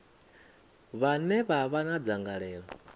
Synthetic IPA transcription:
βanɛβaβanad͡zaŋɡaɺɛːɺa

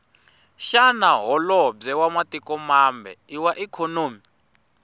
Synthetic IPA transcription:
ʃanaɦɔlɔb͡ʐɛwamatikʼɔmambɛ̰iwaʔikʰonoːmi

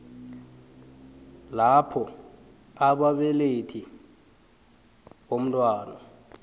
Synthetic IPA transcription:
lapʰɔ | aɓaɓɛletʰi | wom̩tʼwaːna

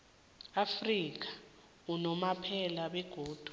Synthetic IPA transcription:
afrik̬ʰḁ | unɔmapʰɛlaɓɛɡ̥ʱoːd̥ʱu

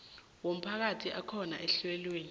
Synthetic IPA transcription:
wom̩pʰak̬atʰiʔakʰɔna̰ʔɛɬwɛlweːni

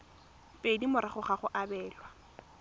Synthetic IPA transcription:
pʼedimʊɾɪχʊχaχʊʔabɛːlwa

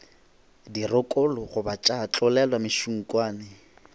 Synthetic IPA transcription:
dirʊkʼɔlʊχʊbat͡ʃʼat͡ɬʼʊlɛlwamɪʃuŋ̩kʼwaːnɪ

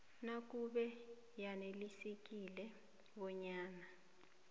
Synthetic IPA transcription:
nak̬ʼuɓɛ | janelisek̬ʼilɛ | ɓɔɲaːna

